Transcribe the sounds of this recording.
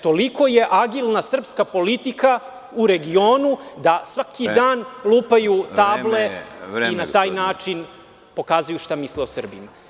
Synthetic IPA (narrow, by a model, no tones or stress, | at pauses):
t̪o̞liko̞je̞ʔaɡilˠnasr̩pskapo̞lit̪ika | uɾe̞ɡio̞ːnud̪asʋakid̪aːnlˠuːpajut̪aːbleinat̪aːjnaːt͡ʃin | po̞kaːzujuʃt̪amisleosr̩bḭma